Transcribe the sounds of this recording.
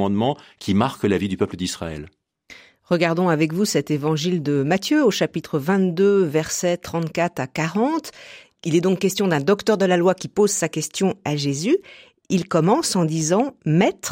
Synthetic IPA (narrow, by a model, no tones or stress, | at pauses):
ɑ̃d̪mɑ̃kʲʰimaʁkəlavid̪ypœpləd̪isχa̰ɛ̰l | ʁəɡaʁd̪ɔ̃avɛkvusɛt̪evɑ̃ʒild̪əmat̪jøoʃapit̪χəvɛ̃t̪d̪øvɛʁsɛt̪χɑ̃t̪kat̪χakaʁɑ̃t̪ | ilɛd̪ɔ̃kːɛst̪jɔ̃d̪ɛ̃d̪ɔkt̪œʁd̪əlalwakʲipozsakʲɛst̪jɔ̃aʒezy | ilkɔmɑ̃sɑ̃d̪izɑ̃mɛt̪χ